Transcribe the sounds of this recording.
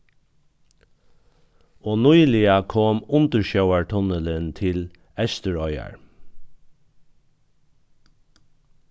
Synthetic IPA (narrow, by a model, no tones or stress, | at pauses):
oːnujlɪakʰoːmʊnt̪əɹʃœʊaɹt̪ʰɔnələnt̪ʰɪl | ɛst̪əɹɔʏa̰ɹ